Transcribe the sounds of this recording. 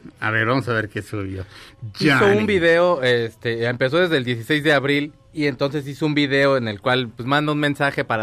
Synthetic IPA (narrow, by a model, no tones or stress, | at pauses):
a̰βeɾβamosaβeɾkesuβjod͡ʒasoumbiðe̞oest̪e̞empe̞s̬o̞ðe̞zðe̞ld̪je̞s̬ise̞jzðe̞aβɾil | ie̞nt̪o̞ns̬e̞s̬iso̞umbiðe̞o̞ene̞lkwalpwesmãnd̪ounmẽ̞nsaxe̞paɾa